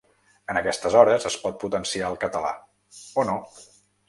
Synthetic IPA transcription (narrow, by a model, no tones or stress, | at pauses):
ənəkɛst̪əzɔɾəzəspɔt̪̚put̪ənsiaəlˠkət̪əla̰ | ono